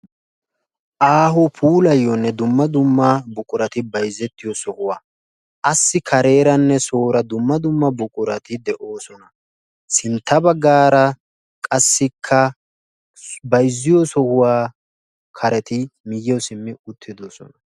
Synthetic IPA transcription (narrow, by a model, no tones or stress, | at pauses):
ʔaːɦɔpʰuːlɐjːɔnːɛd̪ʊmːɐd̪ʊmːɐbʊkʼʊɾɐt̪ɪbɐjzːɛt̪ːɪjɔsɔhʊwaː | ʔɐsːɪkʰɐɾe̞ːɾɐnːɛsoːɾɐd̪ʊmːɐd̪ʊmːɐbʊkʼʊɾɐt̪ɪd̪ɛʔo̞ːsɔnɐ | sɪnt̪ːɐbɐɡːaːɾɐ | kʼɐsːɪkʰːɐ | bɐjzːɪjɔsɔhʊwaː | kʰɐɾɛt̪ɪmɪjːɛwsɪmːɪʊt̪ʰːɪd̪osɔ̰nɐ